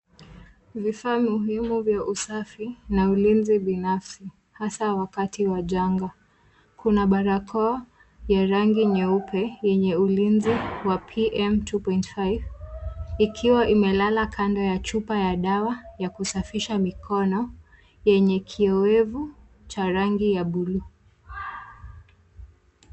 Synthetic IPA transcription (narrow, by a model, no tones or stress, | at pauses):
vifaːmuɦimuvjaʔusafinaulinziɓinafsi | hasawakatiwaʄaŋɡa | kʰunaɓaɾakʰɔː | jaɾaŋɡiɲɛupʰɛjɛɲɛulinziwapʰiʔɛmtʰupɔjntfajv | ikʰiwaʔimɛlalakʰandɔjat͡ʃupajaɗawajakusafiʃamikʰɔnɔ | jɛɲɛkʰiɛwɛvu | t͡ʃaɾaŋɡijaɓulu